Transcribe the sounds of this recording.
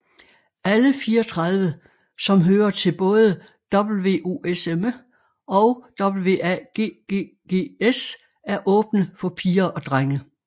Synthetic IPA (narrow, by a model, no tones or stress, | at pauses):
æləfiːɐɒt͡sʰʁɑðˠʋə | sɒ̽mɦøːɐt͡sʰe̝lb̥ɔ̽ːðˠə | d̥ɒ̽b̥l̩ʋe̝̰ːʔo̝̰ːʔesem | ɒ̽ʊd̥ɒ̽b̥l̩ʋe̝̰ːæɡ̥ḛːɡ̥e | ɡ̥e̝̰ːes | æɐʔɔ̽ːb̥nəfɒ̽pʰiːɐʔɒ̽d̥ʁaŋə